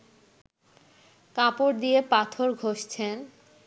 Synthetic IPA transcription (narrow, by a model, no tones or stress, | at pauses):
kapoɾd̪ijepat̪ʰoɾɡʱoʃt͡ɕʰen